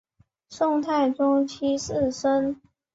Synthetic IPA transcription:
ʂʊ˥˧ŋt̪ʰa˥˩ɪʈ͡ʂʊ˥ŋt͡ɕʰi˥ʂ̩˥˩ʂə˥n

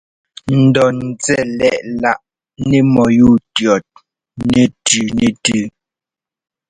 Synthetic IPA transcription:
n̩˨dɔ˨n˨t͡sɛ˦˨lɛ˦˨ʔla˦˨ʔ | ne˦mɔ˨ju˦˨tjɔ˨t̚ | ne˦˨tʉ˨ne˨tʉ˦˨

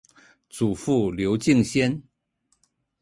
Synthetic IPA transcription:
t͡su˨˩fu˥˩ljo˧˥ʊt͡ɕi˥˧ŋɕjɛ˥n

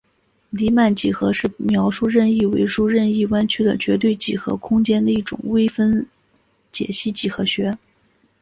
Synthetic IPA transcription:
li˧˥ma˥˩nt͡ɕi˨˩xɤ˧˥ʂɻ̩˥˩mjɑ˧˥ʊʂu˥˧ɻə˥˧ni˥˩wḛ˧˥ɪʂu˥˧ɻə˥˧ni˥˩wa˥nt͡ɕʰy˥d̪ə˨t͡ɕɥɛ˧˥t̪we˥˩ɪt͡ɕi˨˩xɤ̰˧˥kʰʊ˥ŋt͡ɕjɛ˥nd̪ə˨˧i˥˩ʈ͡ʂʊ̰˨˩ŋwe˥ɪfə˥n | t͡ɕjɛ̰˨˩ɕi˥˩t͡ɕi˨˩xɤ˧˥ɕɥɛ˧˥

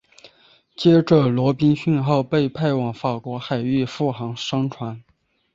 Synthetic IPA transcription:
t͡ɕjɛ˥ʈ͡ʂə˥˩lwɔ˧˥pi˥ŋɕy˥˧nxo˥˧ʊpe˥˧ɪpʰa˥˩ɪwɑ˨˩ŋfa˨˩kwɔ˧˥xa˨˩ɪy˥˧fu˥˩xɑ˧˥ŋʂɤ˥ŋʈ͡ʂʰwa˧˥n

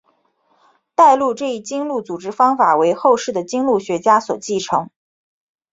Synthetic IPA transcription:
t̪a˥˧ɪlu˥˧ʈ͡ʂɤ˥˧i˥˩t͡ɕi˥ŋlu˥˩t͡su˨˩ʈ͡ʂɻ̩˥fɑ˥ŋfa˨˩we˧˥ɪxo˥˧ʊʂɻ̩˥˩d̪ə˩t͡ɕi˥ŋlu˥˩ɕɥɛ˧˥t͡ɕja˥swɔ̰˨˩t͡ɕi˥˩ʈ͡ʂʰɤ˧˥ŋ

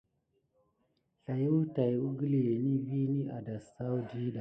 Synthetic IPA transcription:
ɬa˨ju˦wta˨ju˦ɡə˦li˨je˨ni˦vi˦ni˦ʔa̰˨da˨sa˦wu˦di˦ɗa˨

